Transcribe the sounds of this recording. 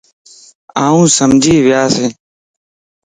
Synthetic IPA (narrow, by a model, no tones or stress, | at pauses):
aːũːsəmd͡ʒʱiːʋɪjaːseː